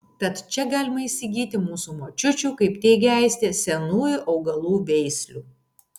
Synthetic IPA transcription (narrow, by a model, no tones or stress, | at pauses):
t̪ɐt̪t͡ʃʲɛɡɑːlʲɪmɐɪːsʲɪɡʲiːt̪ʲɪmuːsuːmoːt͡ʃʲʊt͡ʃʲuːkɐɪpt̪ʲɛɪɡʲɛɛɪsʲt̪ʲɪsʲɛnuːjuʔɒʊɡɐlˠuːʋʲɛɪsʲlʲṵː